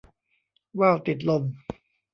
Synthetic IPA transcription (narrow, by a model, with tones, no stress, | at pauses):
waː˥˩wt̪i˨˩t̪̬̚lo˧˩m